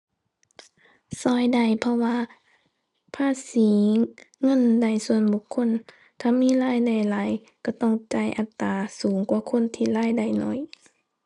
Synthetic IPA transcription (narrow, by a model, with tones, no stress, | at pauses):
sɔː˧˩jda˧˩jpʰɔ˧waː˧ | pʰaː˧˥˨siː˨˦ŋɤ˧˥˨nda˧˩jsu˧ənbu˧˦kʰːo˧˥˨n | t̪ʰaː˧˨miː˧˥˨laː˧˥˨jda˧˩jlaː˨˦j | ka˧˩t̪ɔ˧˩ŋt͡ɕa˧˩jʔa˨˧˦t̪ːaː˨˧suː˨˦ŋkwaː˧˦kʰo˧˥˨nt̪ʰiː˧˥˨laː˧˥˨jda˧˩jnɔ˧˩j